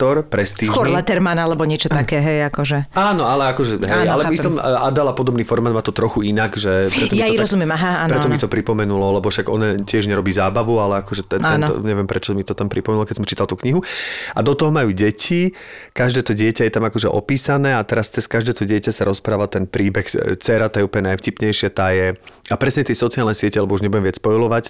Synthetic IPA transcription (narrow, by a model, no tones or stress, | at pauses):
t̪ɔɾpɾɛst̪iːɔɾlɛt̪ɛɾmanalɛbɔɲɪɛt͡ʃɔt̪akɛːɦɛjakɔʒɛaːnɔalɛakɔʒɛɦɛjalɛmislimʔad̪alapɔd̪ɔbniːfɔɾmad̪maːt̪ɔt̪ɾɔxuinaɡʒɛpɾɛt̪ɔmjiatiɾɔzumɪjɛmaɦaaːnpɾɛt̪ɔmit̪ɔpɾipɔmɛnulɔlɛbɔfʃaɡɔ̰nɛcɪɛʒɲɛɾɔbiːzaːbaʋualɛakɔʒɛt̪ɛɛnɔ̰ɲɛʋɪɛmpɾɛt͡ʃɔmit̪ɔt̪ampɾipɔmɛnulɔkɛcsɔmt͡ʃiːt̪alt̪uːkɲiɦuad̪ɔt̪ɔɦɔmajuːɟɛcʰi | kaʒd̪ɛːt̪ɔɟɪɛcajɛt̪amakɔʒɛʔɔ̰piːsanɛːat̪ɛɾast̪ɛskaʒd̪ɛːt̪ɔɟɪɛcasaɾɔspɾaːʋat̪ɛnpɾiːbɛxt͡sɛɾat̪aːjɛupɔɲɛnajfcipɲɛjʃɪat̪aːjɛapɾɛsɲɛt̪ɛjsɔt͡sialnɛsɪɛcɛlɛbɔuʒɲɛbuɟjɛmʋɪat͡sspɔjlɔʋac